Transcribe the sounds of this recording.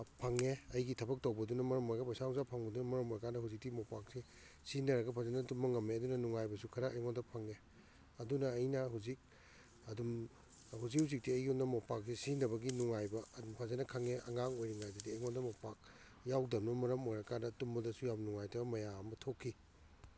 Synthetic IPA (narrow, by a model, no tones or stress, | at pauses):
pʰɐŋeɐjɡitʰɐbɐk̚towbɐdunɐmɐɾɐmoɾɡɐpasawzapʰaŋbɐdunɐmɐɾɐmojɾɐkandɐhuzik̚timopak̚si | sinɐɾɐɡɐpʰazɐnɐtumːɐŋɐmːeɐdunɐnuŋajbɐsukʰɐɾaʔɐjŋondɐpʰɐŋe | ɐdunɐːjnɐɦuzik̚ | ɐdum | huzik̚huzik̚tiɐjɡiunɐmopak̚sisinɐbɐɡinuŋajbɐɐdumpʰazɐnɐkʰaŋeʔɐ̰ŋaŋojɾiŋajdɐdiɐjŋondɐmopak̚ | jawdɐmnɐmɐɾɐmojɾɐkandɐtumbɐdɐsujawnuŋajtʰɐmɐjaɐmɐtʰokʰːi